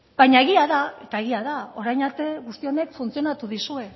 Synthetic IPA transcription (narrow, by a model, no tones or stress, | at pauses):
b̥ajɲae̞ɣiaðae̞t̪ae̞ɣiaðao̞ɾajnaɾt̪e̞ɣust̪io̞ne̞kfunt͡sio̞nat̪uðisue̞